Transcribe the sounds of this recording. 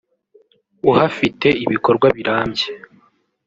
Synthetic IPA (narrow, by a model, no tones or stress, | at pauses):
uhafite̞iβiko̞ɾɡwaβiɾaːmɟe